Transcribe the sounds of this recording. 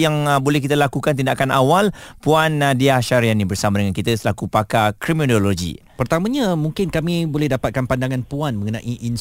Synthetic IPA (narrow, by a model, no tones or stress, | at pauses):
jaŋbolɛhk̬it̪alakukant̪indakanawalpuandiaʃaɾianĩbərsamadəŋankit̪əsəlakupakakɾiminoloɡḭpərt̪amãɲãmũŋkɪnkamĩbolɛhdapat̪̚kanpandaŋãnpuanmə̃ŋənã̰ʔiʔin